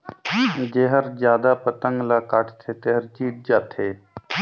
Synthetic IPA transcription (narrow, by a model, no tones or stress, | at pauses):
d͡ʒeɦəɾd͡ʒjaːd̪apət̪əŋɡlakaʈʰt̪ʰeːt̪eɦəɾt͡ʃiːʈ̚d͡ʒaːt̪ʰeː